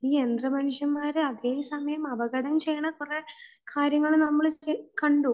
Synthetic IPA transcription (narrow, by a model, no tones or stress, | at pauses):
iːe̞nd̪rɐmɐnuʂjɐmːaːɾeɐðeːɦsɐmɐjɐmɐʋɐɣɐɽɐmt͡ɕejːɐɳɐkure̞kʰaːɾjɐŋːɐɭnɐmːɐɭekɐɳɖu